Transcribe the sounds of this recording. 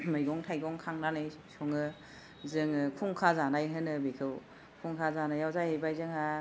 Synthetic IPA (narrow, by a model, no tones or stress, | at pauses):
majɡɔŋtʰajɡɔŋkʰaŋnanɯjsɔŋɯ | zɯŋkʰuŋkʰazanajɦɯnɯbekʰɯw | kʰuŋkʰazanajawzajhejbajzɯŋa